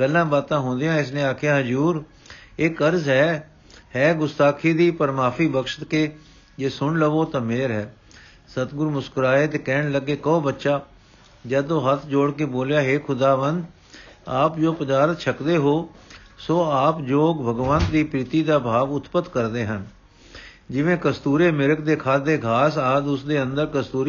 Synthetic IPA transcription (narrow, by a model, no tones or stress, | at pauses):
kəlːãːbaːt̪ãːɦʊ̃ːnd̪ɪjãːɪs̬nẽːaːkʰjãːɦəd͡ʒuːɾ | eːkəɾzɦɛː | ɦɛːɡʊst̪aːkʰiːd̪iːpəɾmaːpʰiːbəkʃə̥t̪keː | d͡ʒeːsʊɳləʋoːt̪ãːmeːɾɦɛː | sət̪ɡʊɾmʊskɾaːeːt̪eːkɛːɳləɡːeːkəõːbətːʃaː | d͡ʒɛːd̪õːɦət̪ʰd͡ʒoːɽkeːboːljaːɦeːkʰʊd̪aːʋənd̪ | aːpd͡ʒoːpəd̪aːɾət̪t͡ʃʰəkd̪eːɦoː | soːaːpd͡ʒoːkbʱəɡʋənt̪d̪iːpɾɪt̪iːd̪aːbʱaːʋʊt̪pət̪kəɾd̪eːɦən | d͡ʒɪʋẽːkəst̪uːɾeːmɪɾəkd̪eːkʰaːd̪eːɡʱaːsaːd̪ʊsd̪eːə̃nd̪əɾkəst̪uːɾ